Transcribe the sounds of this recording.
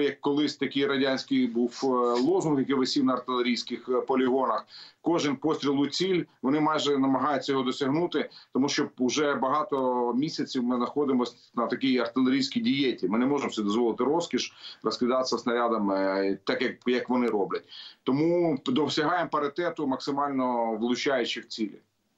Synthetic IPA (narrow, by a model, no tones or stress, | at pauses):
jɐkːɔlˠɪsʲt̪ɐkʲijɾɐdʲanʲsʲkɪjbuwlˠɔzʊnxjɐkɪʋɪsʲiwnɐɐrt̪ɪlʲˠeɾʲijsʲkɪxpɔlʲɪɦɔnɐxkɔʒɪnʲpɔsʲt̪ʲɾʲilˠʊjt͡sʲilʲʋɔnɪmɑjʒɛnɐmɐɦɑjʊtʲt͡sʲːɐjɔɦɔd̪ɔsʲɐɦnut̪ɪt̪ɔmuʃt͡ʃɔʊʒɛbɐɦɑt̪ɔmʲisʲɐt͡sʲiwmɪznɐxɔd̪ɪmɔsʲ | nɐt̪ɐkʲijɐrt̪ɪlʲˠeɾʲijsʲkʲijdʲijɛtʲlʲimɪnɛmɔʒɪmt̪sɛd̪ɔzʋɔlˠɪt̪ɪɾɔskʲiʃrɐskʲɪd̪ɑt̪sʲɐsnɐɾʲad̪ɐmt̪ɑkjɐkjɐkʋɔnɪɾɔblʲɐt̚ʲt̪ɔmud̪ɔsʲɐɦɑjɪmpɐɾɪt̪ɛt̪ʊmɐksɪmɑlʲnɔʋlˠʊt͡ʃɑjʊt͡ʃɪwt͡sʲilʲḭ